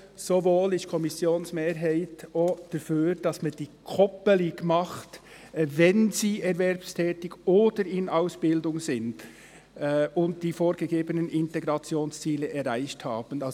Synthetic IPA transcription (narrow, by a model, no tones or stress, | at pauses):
sovoːlɪʃkʰɔmɪsjoːnsmeːɾɦaɪtod̥əfyːɾd̥ɑsmand̥iːkʰɔpəlɪɡmɑχt | vɛnziːʔɛɾvɛɾpstʰɛːtɪɡoːdəɾɪnaʊsb̥ɪldʊŋzɪnd | ʊnt̚d̥iːfoːɾɡ̥əɡeːbənənʔɪnteɡɾɑt͡sjoːnst͡siːləʔɛɾaɪçthaːb̥ən̩ɑ